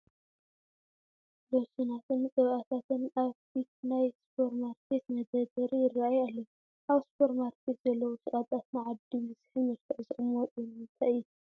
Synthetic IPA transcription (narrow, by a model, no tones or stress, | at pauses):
losinat̪ʰɨnt͡sʼɨβʔat̪ʰat̪ʰɨnaβfit̪najspʰo̞ɾmaɾkʰet̪nɐd̪ɐd̪ɐɾijɪraajalːɐw | ʔaβspʰo̞ɾmaɾkʰe̞t̪zɐlːɐwusɨʔʼat̪ʼat̪nɨʕad̪ibɨzɨħɨmɨɾt̪ʰɨzɨʔʼɨmɔt̪ʼɨnɨnt̪ʰaʔɨju